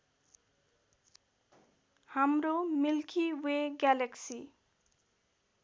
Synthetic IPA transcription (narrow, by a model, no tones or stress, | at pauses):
hamromilkʰiweɡjaleksi